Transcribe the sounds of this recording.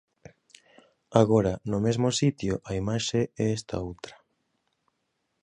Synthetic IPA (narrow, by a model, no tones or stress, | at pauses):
aɣoɾanʊmezmosit̪joʔaimaʃeɛɛst̪a̰owt̪ɾḁ